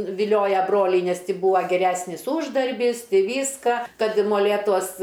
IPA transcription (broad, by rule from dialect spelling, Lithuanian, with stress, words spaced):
ʋʲɪˈlʲoːjɛ ˈbroːlʲɛɪ nʲɛs ˈtʲɪ ˈbuːɐ ɡʲɛˈrʲæsʲnʲɪs ˈuːʒdɐrʲbʲiːs ˈʋʲiːskɐ ˈkɐt ɪ moːˈlʲeːtuɔs